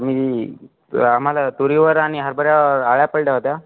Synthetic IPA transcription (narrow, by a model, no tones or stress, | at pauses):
mi | am̤alat̪uɾiʋəɾaɽ̃iɦəɾbəɾjaʋəɾaɭjapəɭʈaɦot̪ja